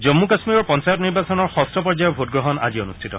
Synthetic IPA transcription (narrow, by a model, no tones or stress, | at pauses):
zɔmːukasmiɔɹpɔnsajɔtniɹbasɔnɔɹxɔstʰɔpɔɹd͡ʒajɔbʱotɡɹɔɦɔna̰zionustʰitɔ̰